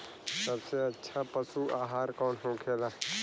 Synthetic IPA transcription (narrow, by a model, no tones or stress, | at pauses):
səbseətːʃʰapəsuaːɦaːɾkɔːnɦõkʰeːla